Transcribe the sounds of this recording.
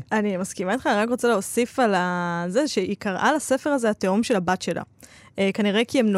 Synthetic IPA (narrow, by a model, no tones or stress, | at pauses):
animaskimait̪χaniʁakʁo̞t͡seleosifalazeʃeʔikaʁʔa̰lase̞fe̞ʁazeateomʃe̞labatʃe̞la̰ʔkaniʁe̞kiemno